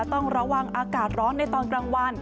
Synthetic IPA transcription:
t̪ɔ˥˩ŋɾa˧wa˧ŋʔaː˧kaː˨˩t̪̚ɾɔː˦˥nːa˧˩jt̪ɔː˧nkɾaː˧ŋwa˧n

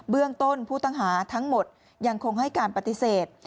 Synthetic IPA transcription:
bɯ˥˩əŋt̪o˥˩npʰuː˥˩t̪a˥˩ŋɦaː˩˦t̪ʰa˦˥ŋmo˨˩t̪̚ | ja˧ŋkʰo˧ŋhɦa˥˩jkaː˧npa˧t̪i˧˦seː˨˩t̪̚

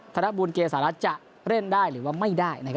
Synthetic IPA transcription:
t̪ʰa˧na˦˥buː˧nkeː˧saː˩˦ɾa˦˥t̪̚t͡ɕa˨˩ʔ | ɾe˥˩ndaː˥˩jɾɯː˩˦waː˧˥˩ma˥˩jdaː˥˩jna˧˩kʰ

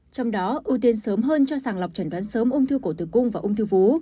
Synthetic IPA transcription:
t͡ɕɔ˧wŋ͡mɗɔ˨˦ʔɨ˧t̪i˧nsəː˨˦mɦəː˧nt͡ɕɔ˧saː˨˩ŋla˨˩wk͡p̚t͡ɕə˧˩nɗwaː˨˦nsəː˨˦mʔʊ˧ŋ͡mt̪ʰɨ˧ko˧˩t̪ɨ˨˩kʊ˧ŋ͡mvaː˨˩ʔʊ˧wŋ͡mt̪ʰɨ˧vu˨˦

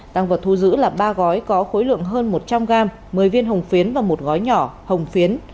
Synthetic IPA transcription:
ɗ̪a˨˧˩ŋvaː˨˩w̚t̪ʰu˧zɨ̰˧˥laː˨˩ɓaː˧ɣɔ˨˦jkɔ˨˦xo˨˦jlɨ̰˧˨əŋɦəː˧nmo˨˩t̚t͡ɕa˧mɣaː˧m | mɨ˨˩əjvi˧ənɦə˨˩wŋ͡mfi˨˦ənvaː˨˩mo˨˩t̚ɣɔ˨˦jɲɔ˧˩hə˨˩wŋ͡mfi˨˦ən

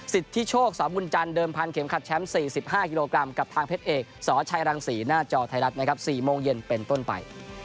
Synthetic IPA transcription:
si˨˩t̪ʰːi˦˥t͡ɕʰoː˥˩k̚sɔː˩˦mbu˧nt͡ɕa˧ndɤː˧mpʰa˧nkʰe˩˦mkʰa˨˩t̪̚t͡ɕʰɛ˦˥msiː˨˩si˨˩p̚ɦaː˥˩ki˧loː˧kɾa˧mka˨˩p̚t̪ʰaː˧ŋpʰeː˦˥t̪ʔeː˨˩k̚sɔː˩˦t͡ɕʰa˧jɾaː˧ŋsiː˩˦naː˥˩t͡ɕɔː˧t̪ʰa˧jɾa˦˥t̪̚na˦˥kʰa˦˥p̚siː˨˩moː˧ŋje˧npe˧nt̪o˥˩npa̰˧j

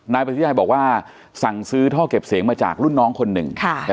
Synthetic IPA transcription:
naː˧˥jpa˧t̪ʰi˦˥aː˧jbɔː˨˩k̚waː˥˩ | sa˨˩ŋsɯː˦˥t̪ʰɔː˥˩ke˨˩p̚siː˩˦ŋmaː˧t͡ɕa̰ː˨˩k̚lu˥˩nːɔː˦˥ŋkʰo˧nːɯ̰˨˩ŋkʰa˥˩˧

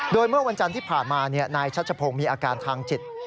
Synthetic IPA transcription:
doː˧jmɯ˥˩ɐwa˧nt͡ɕa˧nt̪ʰiː˥˩pʰaː˨˩nmaː˧ni˥˩ɐnaː˧jt͡ɕʰa˦˥t͡ɕʰa˧pʰoː˧ŋmiː˧ʔaː˧kaː˧nt̪ʰaː˧ŋt͡ɕi˨˩t̪̚

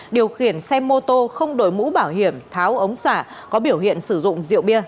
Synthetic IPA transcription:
ɗi˨˩əwxi˧˩ənsɛ˧mo˧t̪o˧xə˧wŋ͡mɗo˨˩jmṵ˧˥ɓaː˧˩wɦi˧˩əmt̪ʰaː˨˦wʔə˨˦wŋ͡msaː˧˩ | kɔ˨˦ɓi˧˩əwhḭ˧˨ənsɨ˧˩zʊ̰˧˨ŋ͡mzḭ˧˨əwɓi˧ə

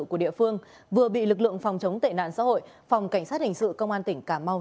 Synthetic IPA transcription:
ku˧˩əɗḭ˧˨əfɨ˧əŋ | vɨ˨˩əɓḭ˧˨lɨ˨˩k̬̚lɨ̰˧˨əŋfɔ˨˩wŋ͡mt͡ɕə˨˦wŋ͡mt̪e˧˨˩na̰ː˧˨nsa̰ː˧˥ho̰˧˨j | fa˨˩wŋ͡mka˧˩jŋ̟saː˦˥t̚hï˨˩ŋ̟sɨ̰˧˨kə˧wŋ͡mʔaː˧nt̪ï˧˩ŋ̟kaː˧˩ma˧w

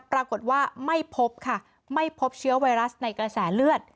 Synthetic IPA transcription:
pɾaː˧ko˨˩t̪̚waː˥˩ma˥˩jpʰo˦˥p̚kʰa˥˩ | ma˥˩jpʰo˦˥p̚t͡ɕʰɯ˦˥ɐwa˧jɾa˦˥sna˧jkɾa˧sɛː˩˦lɯ˥˩ət̪̚

